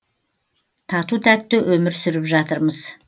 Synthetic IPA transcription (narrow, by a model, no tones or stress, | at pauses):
t̪ʰɑt̪ut̪ʰæt̪ːɪʔɵmɪɾsʏɾɪpʒɑt̪əɾməz̥